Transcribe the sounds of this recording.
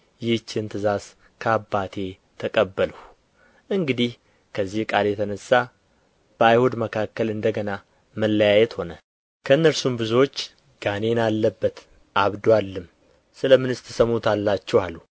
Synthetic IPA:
jɪht͡ʃːɪnt̪ʰɨzaz | kʰəabːat̪ʰe̞ | t̪ʰəkʼəbːələw | ʔɨŋɡɨd̪ih | kʰəzːihkʼaljɛt̪ʰənəsːa | b̥əajhod̪məkʰakːəlɨnd̪əɡəna | məlːəjajɛt̪ho̞nə | kʰəɨnːəɾsumbɨzwot͡ʃː | ɡ̥ane̞nalːəbːət̪ | ʔaβd̪walːɨm | sɨləmɨnɨst̪ʰɨsəmut̪ʰalːat͡ʃːɛwalːu

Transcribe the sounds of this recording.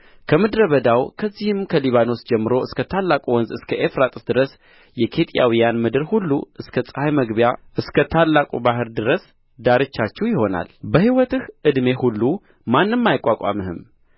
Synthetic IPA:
kʰəmɨd̪ɾəβəd̪awkʰəzːihɨmkʰəliβano̞sd͡ʒɛmːɨɾo̞ɨskʰət̪ʰalːakʼuwɔnzɨskʰəʔefɾat̪ʼɨ̥sd̪ɨɾəs | jɛkʰe̞t̪ʼja̰wijanmɨd̪ɨɾhulːṵʔɨskʰəsʼɨhajməɡbjaʔɨskʰət̪ʰalːakʼubaɦɨɾd̪ɨɾəs | d̪aɾɨt͡ʃːat͡ʃːɛwjɪho̞na̰lbəhiwɔt̪ɨhʔɨd̪me̞hulːu | manːɨmːajɪkʼːakʼa̰mɨhɨ̰m

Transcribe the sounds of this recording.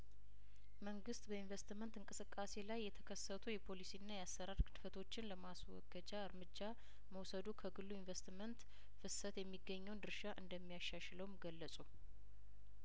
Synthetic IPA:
məŋɡɨst̪bəinvest̪mənt̪ɨŋkʼɨsɨkʼːase̞lajːɛt̪ʰəkʰəsːət̪ʰujɛpʰo̞lisinːajɛasːəɾaɾkʰɨd̪ɨfət̪ʰo̞t͡ʃːɪnləmaswɔ̰ɡəd͡ʒaɨɾmɨd͡ʒːa | məwsəd̪ukʰəɡɨlːuɪɱvəst̪mənt̪ | fɨsət̪jɛmːiɡːəɲːəwnd̪ɨɾʃaʔɨnd̪əmːijaʃːaʃləwmɡəlːəsʼu

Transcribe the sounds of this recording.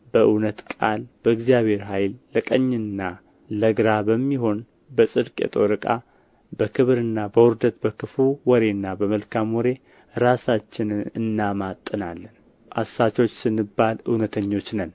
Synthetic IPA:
bəʔɨwnət̪kʼalbəɨɡzijaβe̞ɾɦajlːəkʼəɲːɨnːa | ləɡɾabəmːiɦo̞n | bəsʼɨd̪kʼḛt̪ʼoɾɨkʼa̰ | bəkʰɨβɾɨnːabəwɔɾd̪ət̪bəkɨfuwɔɾe̞nːabəməlkʰamwɔɾe̞ | ɾasat͡ʃːɪnɨɨnːamat̪ʼːɨnalːən | ʔa̰sːat͡ʃo̞t͡ʃːsɨnːɨbːalɨ̰wnət̪ʰəɲːo̞t͡ʃːnən

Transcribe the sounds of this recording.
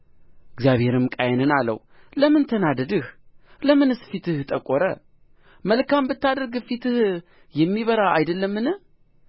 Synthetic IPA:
ʔɪɡzjaβhe̞ɾɨmkʼajɛnɨnalə̰w | ləmɨnt̪ʰənad̪əd̪ɨhləmɨnɨsfit̪ɨht̪ʼəkʼoɾə̰ | məlkʰambɨt̪ːad̪əɾɡfit̪ɨh | jɛmːiβəɾaajd̪əlːəmːɨnɨh

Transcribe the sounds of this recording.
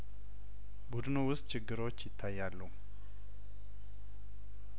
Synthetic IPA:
bud̪ɨnuwʊst̪t͡ʃʰɪɡːɨɾo̞t͡ʃːjɪt̪ʰːajːalːəu

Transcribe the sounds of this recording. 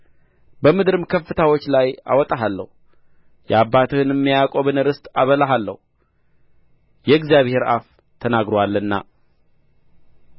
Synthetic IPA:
bəmɨd̪ɾɨmkʰəfːɨt̪ʰawo̞t͡ʃːlaja̰wɔt̪ʼaɦalːə̰hu | jɛabːat̪ʰɨhɨnɨmːijakʼoβɨnɨɾɨst̪ʼaβəlaɦalːə̰hu | jɛɨɡzijaβhe̞ɾa̰f | t̪ʰənaɡɾowalːənːa̰

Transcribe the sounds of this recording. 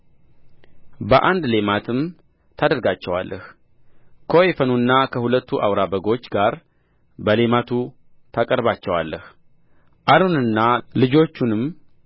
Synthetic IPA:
bəʔand̪le̞mat̪ʰɨm | t̪ʰad̪əɾɡat͡ʃːɛwa̰lːʔəh | kʰoefənunːakʰəhulət̪ːuʔawɾabəɡo̞t͡ʃːɡaɾ | bəle̞mat̪ʰu | t̪ʰakʼəɾbat͡ʃːɛwalːəh | ʔalonɨnːalɨd͡ʒo̞t͡ʃːunɨm

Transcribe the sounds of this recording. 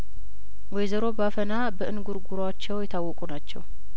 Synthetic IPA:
wɔjzəɾo̞bafənabəʔɨnɡuɾɡuɾat͡ʃːɛwjɛt̪ʰawːɔkʼunat͡ʃːɛ̰w

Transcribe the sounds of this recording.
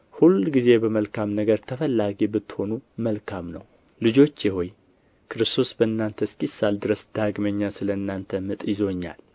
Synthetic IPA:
hulɡize̞bəməlkʰamnəɡəɾt̪ʰəfəlːaɡibɨt̪ːɨ̥ho̞numəlkʰamnə̰w | lɨd͡ʒo̞t͡ʃːjɪho̞j | kʰɨɾɨst̪ʰo̞sbəɨnːant̪ʰəskʼisːald̪ɨɾəsd̪̥aɡməɲːasɨləɨnːant̪ʰəmɨt̪ʼjɪzo̞ɲːa̰l

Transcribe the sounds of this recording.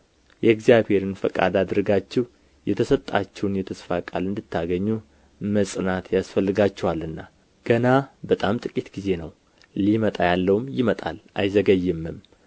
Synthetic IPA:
jɛɡzijaβhe̞ɾɨnfəkʼa̰d̪ad̪ɨɾɡat͡ʃːɛw | jɛt̪ʰəsət̪ʼːa̰t͡ʃːɛwnjɛt̪ʰəsfakʼalɨnd̪ɨt̪ʰːaɡəɲːu | məsʼɨnat̪jasfəlːɨɡat͡ʃːɛwalɨnːa | ɡ̥ənabət̪ʼamt̪ʼɨkʼit̪ɡ̥ize̞nəw | limət̪ʼajalːəwmjɪmət̪ʼa̰lʔajzəɡəjːɪmːɨm

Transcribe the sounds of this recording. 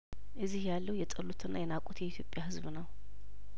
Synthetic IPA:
ʔɨzːihjalːəwjɛt̪ʼəlut̪ʰɨnːa̰jɛnakʼut̪jɛit̪ʰjo̞pʼjahɨzβnəw

